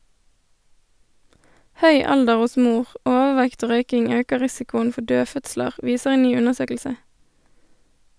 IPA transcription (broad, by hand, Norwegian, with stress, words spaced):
ˈhœʏ ˈɑldəʁ ˈʊs ˈmuːʁ ˈʔoːʋəˌʋɛkt ˈoː ˈʁœʏkɪŋ ˈøːkə ˈʁɪsɪkʊən ˈfɔ ˈdøːˌfœtsləʁ ˈʋiːsəʁ ˈeːn ˈnyː ˈʉnəʁˌsøːkl̩sə